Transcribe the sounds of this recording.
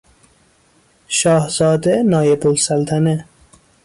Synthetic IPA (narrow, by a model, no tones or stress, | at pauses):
ʃɒːhz̥ɒːd̪enɒːjebolsælt̪ʰæne